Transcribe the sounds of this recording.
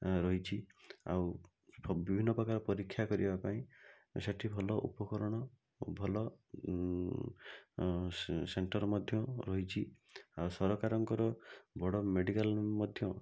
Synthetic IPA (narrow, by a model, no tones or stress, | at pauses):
ɾɔɦit͡ʃʰia̰w | bibʱinːɔpɾɔkaɾɔpɔɾikʰːjakɔɾibapaĩ | seʈʰibʱɔlɔʔṵpɔkɔɾɔɽ̃ɔ | bʱɔlɔ | seɳʈɔɾɔmɔd̪ʱjɔɾɔɦit͡ʃʰi | awsɔɾɔkaɾɔŋkɔɾɔbɔɽɔmeɽikalmɔd̪ʱjɔ